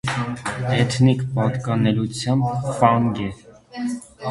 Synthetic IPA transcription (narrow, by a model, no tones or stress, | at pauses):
ɛt̪ʰnikpɑt̪kɑnɛlut͡sʰjɑmbfɑŋɡɛ